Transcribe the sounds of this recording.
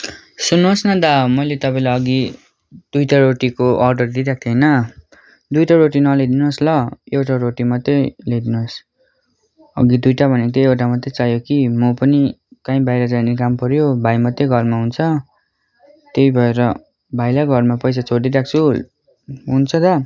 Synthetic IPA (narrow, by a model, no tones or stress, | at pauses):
sunːosnʌd̪amʌjlet̪ʌpãĩlaʌɡi | d̪ujʈaɾoʈikoʔʌrɖʌrd̪iɾak̚ʰt̪ʰʌjnʌ | d̪ujʈaɾoʈinʌled̪inoslʌewʈaɾoʈimʌt̪ːeled̪inuos | ʌ̰ɡid̪ujʈabʱʌnekt̪ʰeewʈamʌt̪ːet͡sajokimʌpʌnikãĩbajɾʌd͡zajnikampʌɾjobʱajmʌt̪ːeɡʱʌrmaɦunt͡sʰʌ | t̪ejbʱʌeɾʌ | bʱajlaɡʱʌrmapʌjs̬at͡sʰoɽiɾak̚ʰt͡sʰu | ɦunt͡sʰʌd̪a